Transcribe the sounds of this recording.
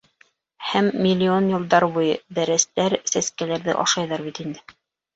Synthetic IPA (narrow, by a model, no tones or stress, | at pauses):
hæmːilʲːɪo̞njɤ̆lˠd̪ɑɾβujɤd̪æɾæst̪æɾsæskælæɾðɘ̰ʔɑʃɑjðɑɾβit̪ind̪ɘ